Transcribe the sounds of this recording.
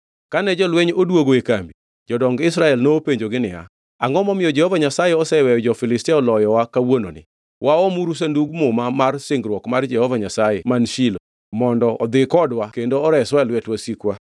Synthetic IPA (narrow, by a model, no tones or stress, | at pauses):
kanɛd͡ʒɔlwɛɲodwoɡoekambi | d͡ʒɔdɔŋɡɪsɾaɛlnoːpeɲd͡ʒoɡɪnɪja̰ | aŋɡɔmɔmɪjɔd͡ʒɛhɔvaɲasajɛɔsɛwɛjɔd͡ʒɔfɪlɪstɛɔlɔjɔwakawono̰nɪ̰ | wʔaɔmuɾus̬anduɡmomamarsɪŋɡɾwɔkmard͡ʒɛhɔvaɲasajɛmanʃilo | mɔndɔɔd̪ɪkɔdwakendoɔɾɛswaɛlwɛtwasikwa